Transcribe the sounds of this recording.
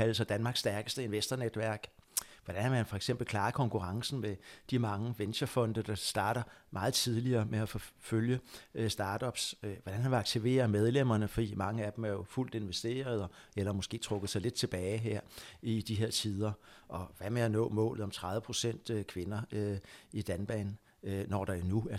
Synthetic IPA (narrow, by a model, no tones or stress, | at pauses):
æl̩sɐd̥ænmɑ̈ːɡ̥sːd̥æɐɡ̥əsd̥əe̝nʋesd̥ɐned̥ʋæɐ̰ɡ̥ʋɒɾ̥ænhɑʋænfɒeɡ̥sem̰b̥l̩kʰlɑ̈ːkʰɒ̽ŋkʰuʁɑ̈ŋsn̩med̥imɑ̈ŋəʋenɕɐfɒ̽n̰d̥əd̥ɑ̈sd̥ɑ̈ːɾ̥ɐmʔɑ̈ːð̩ˠt͡sʰiðˠliɐːmeæfɔ̽føljəsd̥ɑ̈ːd̥ɒ̽b̥sʋɒd̥ænhɑʋeɑ̈ɡ̥t͡sʰiʋe̝̰ːɐmeð̞ˠlem̰ɐnəfɒ̽d̥ḭːmɑ̈ŋəæd̥emæɐjo̝ful̰d̥e̝nʋesd̥e̝̰ːɐð̞̩ˠɒ̽elɐmɔ̽sɡ̥e̝̰ːt͡sʰʁɔ̽ɡ̥ð̩ˠsɑ̈ɪle̝d̥̚t͡sʰe̝b̥ɛːɪɦeɐ̰id̥iɦe̝ɐ̰t͡sʰiðˠɐʔɒ̽ʋæmeænɔ̰ːmɔ̰̽ːlð̩ˠɒ̽mt͡sʰʁɑðˠʋəpʰʁo̝sen̰d̥kʰʋe̝nɐ | id̥ænb̥ɛ̰ːn | nɒ̰ːd̥ɑ̈nuæɐ